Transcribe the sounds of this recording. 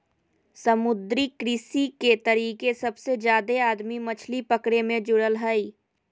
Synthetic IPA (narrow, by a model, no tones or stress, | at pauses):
sɐmʊd̪ɾikɾɪsiket̪ɐɾiːkesɐbsed͡ʒjaːd̪eaːd̪mimɐt͡ʃʰlipɐkɽemẽd͡ʒʊɽəlɦəiː